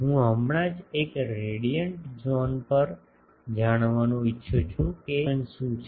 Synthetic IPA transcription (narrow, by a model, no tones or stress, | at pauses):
ɦũɦəmɳ̃ad͡ʒekɾeɽijəɳʈd͡ʒɔnpəɾ | d͡ʒaɽ̃ʋanũɪtːʃʰut͡ʃʰũkensũt͡ʃʰ